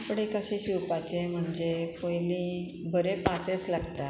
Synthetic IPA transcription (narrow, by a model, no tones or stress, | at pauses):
pɽekəɕeɕiwpat͡ɕem̤əɳd͡zekojlĩː | bʱəɾepaset͡slaɡt̪a